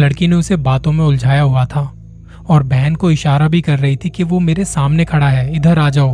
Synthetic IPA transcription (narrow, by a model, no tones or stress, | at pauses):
lɐɽkineʊsebaːt̪õmẽʊld͡ʒʱaːjaɦuat̪ʰaː | ɔːɾbɛɦnkoɪʃaːɾabʱikɐɾːɐɦit̪ʰikiʋomeːɾesaːmnekʰɐɽaɦɛːɪd̪ʱəɾaːd͡ʒaːoː